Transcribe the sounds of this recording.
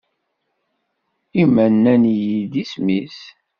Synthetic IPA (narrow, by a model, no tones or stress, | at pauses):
imænːænjid̪ismis